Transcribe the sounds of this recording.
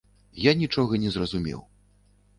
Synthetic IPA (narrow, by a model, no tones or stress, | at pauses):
janʲit͡ʂɔɣɐnʲɛzrɐzumʲɛ̰w